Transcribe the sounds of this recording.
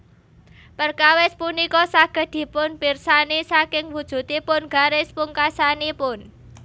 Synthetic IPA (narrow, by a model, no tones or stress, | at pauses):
pərkawɪspunikɔsaɡ̥ə̤d̪̥i̤pʊnpirsanisakɪŋwud̥ʒ̥ṳt̪ipʊnɡ̥a̤ɾɪspuŋkasanipʊn